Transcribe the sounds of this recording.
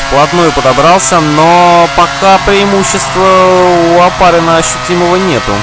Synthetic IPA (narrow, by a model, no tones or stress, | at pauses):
plˠɐt̪nojəpəd̪ɐbɾalˠsʲənopɐkʰapɾʲɪɪmuɕːɪst̪vəʊɐpaɾɪnəɐɕːʉtʲiməvənʲe̞t̪ʊ̰